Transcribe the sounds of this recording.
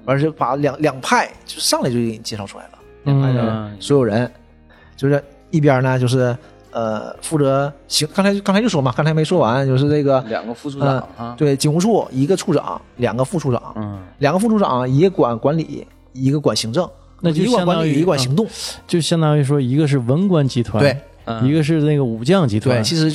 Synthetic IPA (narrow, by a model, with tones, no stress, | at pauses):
a˧˥ʂ̬ɻ̩˥˩pa˨˩ljɑ˨˩˦ŋljɑ˨˩ŋpʰa˥˩ɪt͡ɕjo˥˧ʊʂɻ̩˥ʂɑ˥˧ŋla˥˩t͡ɕo˥˩˥t͡ɕɪ˨˩t͡ɕjɛ˧˥ʂɑ˥˩ʊu˥la̰˧˥ɪlə̰˩˧a˧˥˩swɔ˧˥jo˨˩ʊɻə˧˥n | t͡ɕjo˥˧ʊʂɻ̩˥˧˩ | i˥˩p̬jə˧˥nə˧t͡ɕjo˥˧ʊʂ̬ɻ̩˥˩ | ə˧fu˥˩ɤ˧˥ɕi˧˥ŋkɑ˥ŋt͡sʰt͡ɕkŋt͡sʰt͡ɕo˥˩ʊ˩wɔ˧˥mɐ˧kɑ˥ŋt͡sʰme˧˥ɪʂwɔ˥wa˧˥nt͡ɕjo˥˧ʊʂɻ̩˥˧nə˥˩ɡə̰˩˨˩ŋɡfə˥˧˨t̪we˥˩ɪt͡ɕi˨˩xu˧˥ʈ͡ʂʰu˥˩i˧˥ɡə˧ʈ͡ʂʰu˥˩ʈ͡ʂɑ̰˨˩˦ŋ | ljɑ̰˨˩ŋɡə˦fu˥˧ʈ͡ʂʰu˥˩ʈ͡ʂɑ̰˨˩˦ŋljŋɡə˦fu˥˩ʈ͡ʂʰu˥˩ʈ͡ʂɑ̰˨˩˦ŋjɛ˧˥kwa˨˩nkwa˧˥nlḭ˨˩˦ | i˧˥ɡə˧kwa˨˩nɕi˧˥ŋʈ͡ʂɤ˥˩ŋ | n˥˧˥wa˨˧kwa˧˥ljɛ˧˥kwa˨˩ɕi˧˥ŋt̪ʊ˥˩ŋt͡ɕjo˥˧ʊɕjɑ˥ŋt̪ɑ˥ŋy˥˩ʂ̬wɔ˥i˧˥ɡə˧ʂ̬ɻ̩˥˩wə˧˥nkwa˥nt͡ɕi˧˥t̪ʰwa˧t̪e˥n˩ɪ | i˧˥ɡə˧ʂ̬ɻ̩˥˧na˥˩ɡə˩u˨˩t͡ɕjɑ˥˩ŋt͡ɕi˧˥t̪ʰwe˧˥˩ɪt͡ɕʰi˧˥ʂɻ̩˧˥